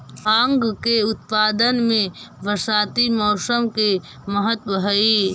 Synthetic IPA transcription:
ãŋɡkeʊt̪̚paːd̪ənmẽʋəɾsaːt̪imɔːsəmke | məɦət̪wəɦəiː

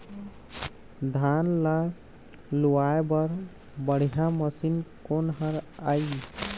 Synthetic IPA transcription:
d̪ʱanla | luaebəɾ | bəɽ̤ijãməsinkonɦəɾaj

